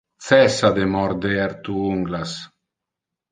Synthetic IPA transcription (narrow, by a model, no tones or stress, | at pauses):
t̪sɛsad̪emɔɾd̪eaɾt̪uuŋɡlas